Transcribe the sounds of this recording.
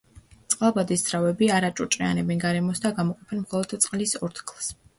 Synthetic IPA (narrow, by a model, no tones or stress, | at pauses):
t̪sʼqʼalˠbad̪isd̪z̥ɾavɛbiaɾat͡ʃʼɔt͡ʃʼqʼia̰nɛbɛnɡaɾɛmɔsd̪aɡamɔqʼɔpʰɛnmχɔlˠɔd̪̥t̪sʼqʼlisɔɾt̪ʰɡʰlˠs